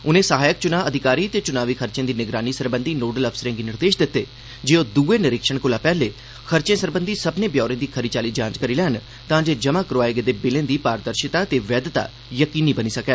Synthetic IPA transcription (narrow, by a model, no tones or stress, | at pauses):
ʊnẽːsəɦaːjək̚t͡ʃʊnaːəd̪ʱɪkaːɾiːt̪eːt͡ʃʊnaːʋiːkʰəɾt͡ʃẽːd̪iːnɪɡɾaːniːsəɾbə̃nd̪iːnoːɖələpsəɾẽːɡiːnɪɾd̪eːʃd̪ɪt̪ːeː | d͡ʒeːoːd̪uːeːnɪɾɪkʃəɳ̃kʊlaːpɛːleː | kʰəɾt͡ʃẽːsəɾbə̃nd̪iːsəbneːbjɔːɾẽːd̪iːkʰəɾit͡ʃaːliːd͡ʒãːd͡ʒkəɾiːlɛːən | t̪ãːd͡ʒeːd͡ʒəmaːkəɾoaːeɡed̪eːbɪlẽːd̪iːpaːɾd̪əɾʃɪt̪aːt̪eːʋɛːd̪t̪a̰ː | jəkiːniːbəniːsəkɛː